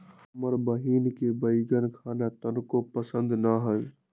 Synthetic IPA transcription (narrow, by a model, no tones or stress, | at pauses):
məɾbəɦiːnkebəiɡənkʰaːnat̪ənkopəsə̃nd̪naɦə